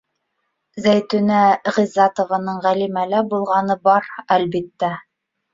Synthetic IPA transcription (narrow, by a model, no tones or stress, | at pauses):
zæjt̪ɵnæʁizɑt̪ŏvɑnɤɴʁælimælæbulˠʁɑnɤbɑɾælbit̪ːæ